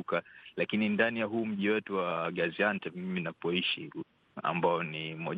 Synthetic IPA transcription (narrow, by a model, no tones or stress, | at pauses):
kalakinindanijaɦuːm̩ʄiwɛtuwaɠaziantɛmiminapɔiʃi | a̰mbaɔnimɔ